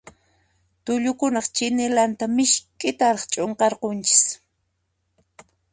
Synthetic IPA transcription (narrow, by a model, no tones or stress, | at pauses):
t̪ʊʎʊkʊnɑχt͡ʃɪnɪlant̪amɪʃkʼɪt̪aɾɑχt͡ʃʼoɴqɑɾqont͡ʃɪ̥s